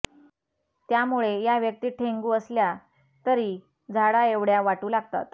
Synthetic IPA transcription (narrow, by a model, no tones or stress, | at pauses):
t̪jamuɭejaʋjək̚t̪iːʈʰeŋɡuːəslja | t̪əɾiː | d͡zʱaɽaeʋɽjaʋaʈuːlaɡ̚t̪a̰t̪